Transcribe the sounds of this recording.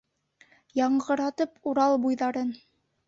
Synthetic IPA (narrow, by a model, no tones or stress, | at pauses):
jɑɴɢɤ̆ɾɑt̪ɤpʰuɾɑlˠbujðɑɾɤn